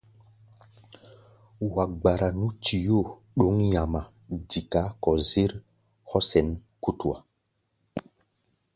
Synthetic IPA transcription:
wa˨k̚ɡ͡ba˨ɾa˨nũ˦tʰi˨jo˦˨ | ɗo˨˦ŋja˨ma˨ | di˨ka˨˦kɔ˨ze˦ɾ | hɔ˦sɛ˨nku˦tu˨a̰˨

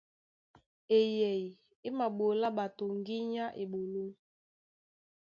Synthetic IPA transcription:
e˨jɛ˨i˨ | e˦ma˨ɓo˨la˦ɓa˨to˨ŋ˦ɡi˦ɲa˦ʔe˨ɓo˨lo˦

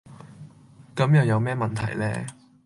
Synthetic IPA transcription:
kɐ˨˥mjɐ˨˩wjɐ˨˧wmɛː˥mɐ˨nt̪ʰɐ˨˩jlɛ̰ː˥

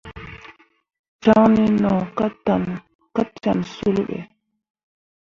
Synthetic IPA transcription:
t͡ʃa˦ŋni˦nɔ˨ktan | ka˦t͡ʃa˨nsu˦lɓɛ̰˨

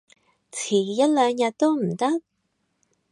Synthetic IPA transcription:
t͡sʰi˨˩ja˥t̚la˨˧ɲa˧t̪o˥m̩˨˩t̪ɐ˦˥t̚

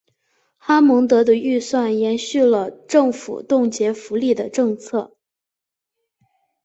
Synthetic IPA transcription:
xa˥mɤ˧˥ŋt̪ɤ˧˥d̪ə˧y˥˧swa˥˩njɛ˧˥nɕy˥˩lə˩ʈ͡ʂɤ˥˩ŋfṵ˨˩t̪ʊ˥˩ŋt͡ɕjɛ˧˥fu˧˥li˥˩d̪ə˩ʈ͡ʂɤ˥˧ŋt͡sʰɤ˥˩

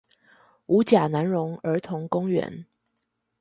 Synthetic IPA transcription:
u˧˥t͡ɕja˨˩na˧˥nɻʊ˧˥ŋə˞˧˥t̪ʰʊ˧˥ŋkʊ˥ŋɥɛ̰˧˥n

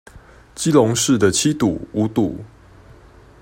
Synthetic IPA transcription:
t͡ɕi˦lɔ˧˦ŋʂɻ̩˥˨d̪ə˨t͡ɕʰi˦t̪u˨˩u˨˦t̪ṵ˨˩˦

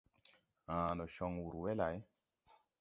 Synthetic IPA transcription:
ã˨nɔ˨ʃɔ˦ŋwu˨ɾwe˦la˨˦j

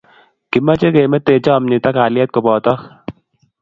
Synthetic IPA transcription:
ki˨ma˦t͡ʃe˦ke˨mɛ˦t̪e˨t͡ʃɔ˦˨mni˨t̪a˦ka˨ljɛ˦t̪̚ko˨bɔ˨tɔ˦k

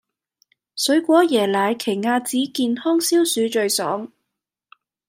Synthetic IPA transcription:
sɵ˨˥ɥkʷɔː˨˥jɛː˨˩laː˨˧jkʰe˨˩jŋaː˧t͡siː˨˥kiː˧nhɔː˥ŋsiː˥wsyː˨˧˥t͡ʃɵ˧ɥsɔ̰ː˨˥ŋ

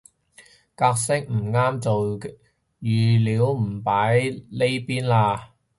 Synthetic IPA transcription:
kaː˧k̚sɪ˥k̚m̩˨˩ŋaː˥mt͡so˨w | jyː˨liː˨˥wm̩˨˩paː˨˥jle˥jpiː˥nlaː˧

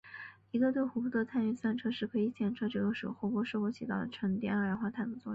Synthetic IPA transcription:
i˧˥ɡə˧t̪we˥˩ɪxu˧˥pʰu˥˩t̪ʰt͡sʰa˥˧ny˥˩nswa˥˧nʈ͡ʂʰɤ˥ʂɻ̩˥˩kʰɤ˧˥i˧˩t͡ɕʰjɛ˥˩nʈ͡ʂʰɤ˥ʈ͡ʂɤ˧˩ɡə˧˥ʂo̰˨˩xɔ˥˧pwɔ˥ʂɻ̩o˥˧xwɔ˥t͡ɕʰi˨˩t̪ɑ˥˩ʊd̪ə˩ʈ͡ʂʰɤ˧˥ŋt̪jɛ̰˥nə˥˩ɻa˧˥nxwa˥˧t̪ʰa˥˩nə˧˥t͡swɔ˥˧˥

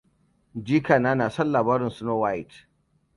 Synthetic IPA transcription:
d͡ʒiː˦kaː˨naː˦naː˨sɐ˦nlaː˨baː˦ɾɪ˨nsʊ˦noː˦wa˦jt

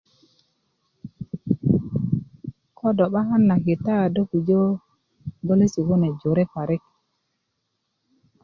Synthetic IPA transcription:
kɔ˦dɔ˨ɓa˦ɦa˦nːa˨ke˨ta˦˨do˦ku˨d͡ʒo˦ | ɡo˦le˦si˨ɡo˦ne˨d͡ʒo˨ɾe˦pa˨ɾe˦k

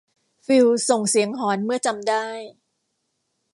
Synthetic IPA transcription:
fi˧wso˨˩ŋsi˩˦əŋɦɔː˩˦nmɯ˥˩ɐt͡ɕa˧mdaː˥˩j

